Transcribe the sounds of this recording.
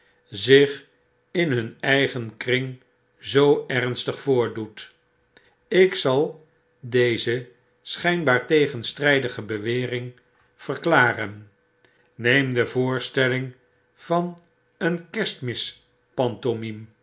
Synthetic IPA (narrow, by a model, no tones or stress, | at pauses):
zɪχ | ɪnɦɵnɛjχənkrɪŋ | zowɛrnstəχfʊːɹdut | ɪksɑlˠ | dejzə | sχɛjnbaːɹtejχənstrɛjdəχəbəʋɪːrɪŋ | v̥ərklaːrənː | ejmdəvʊːɹstɛlɪŋ | v̥ɑn | ənkɛstmɪs | pɑntomim